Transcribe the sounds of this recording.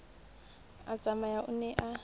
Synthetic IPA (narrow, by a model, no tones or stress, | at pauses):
at͡sʼamajaʔʊnɛʔa